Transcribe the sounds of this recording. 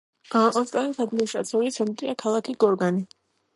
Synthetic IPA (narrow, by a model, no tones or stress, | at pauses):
aʔɔsk̪ʼanisad̪iɔʃa̰t̪sʰɔlit̪sʰɛnt̪ʼɾiakʰalˠakʰiɡ̥ɔɾɡani